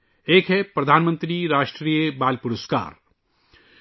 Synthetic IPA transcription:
eːkɦɛpɾɐd̪ʱaːnmə̃nt̪ɾiɾaːʃʈɾiːjəbaːlpuɾəska̰ːɾ

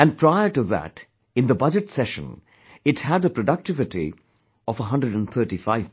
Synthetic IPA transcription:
æ̃n̚pʰɹ̥aɪəʈɨðæ̰t | ɨ̃nðəbʌd͡ʒɨtsɛʃə̰̃n | ɪthædəpʰɹoɖʌk̚tɪvɨʈḭ | ɔvəɦʌ̃ndɹəɖə̃nt̪θʰɜ˞ʈifaɪv̥

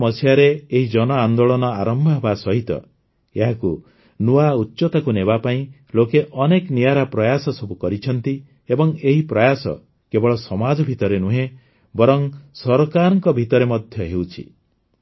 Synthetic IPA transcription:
mɔsjaɾeːɦid͡ʒɔnɔand̪oɭɔnɔaɾɔmbʱɔɦebasɔɦit̪ɔ̰ | eɦaku | nuautːt͡ʃɔt̪ɔkunebapaĩ | lokeʔɔneknijaɾapɾɔjasɔsɔbukɔɾit͡ʃʰɔnt̪i | ebɔŋeɦipɾɔjasɔ̰ | kebɔɭɔsɔmad͡ʒɔbʱit̪ɔɾenuɦẽ | bɔɾɔŋsɔɾɔkaɾɔŋkɔbʱit̪ɔɾemɔd̪ʱjɔɦewt͡ʃʰḭ

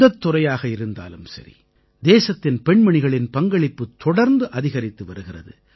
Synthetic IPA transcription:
ɐt̪ːʊrɐjaːɣɐɪɾɯnd̪a̰ːlɯmsɐ̰ɾḭ | d̪eːsɐt̪ːɪnpɛɳmɐɳɪɣɐɭɪnpɐŋɡɐɭɪpːɯt̪ːɔɽɐɾnd̪ɯʔɐðɪɣɐɾɪt̪ːɯʋɐɾɯɣɪrɐ̰ðɯ

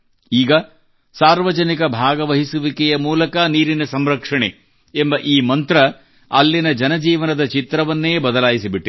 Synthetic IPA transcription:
iːɡɐ | saːɾʋɐd͡ʒɐnikɐbʱaːɡɐʋɐɦisuʋikɛjɐmuːlɐkɐniːɾinɐsɐmɾɐkʂɐɳe | embɐʔiːmɐnt̪ɾɐ | ɐlːinɐd͡ʒɐnɐd͡ʒiːʋɐnɐd̪ɐt͡ʃit̪ɾɐʋɐnːeːbɐd̪ɐlaːjisibiʈː

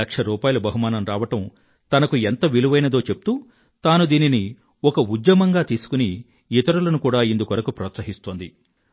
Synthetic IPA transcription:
ɐkʂɐɾuːpaːjɐlɐbɐɦumaːnɐmɾaːʋɐʈɐm | t̪ɐnɐkuent̪ɐʋiluʋɐjnɐd̪o̞ːt͡ʃe̞p̚ut̪uː | t̪aːnud̪iːnini | ɔkɐud̪jɐmɐŋɡaːt̪iːsu̥kuni | it̪ɐɾulɐnukuːɽaːind̪ukʋɐɾɐkupɾɐːt̪sɐɦist̪oːnd̪i

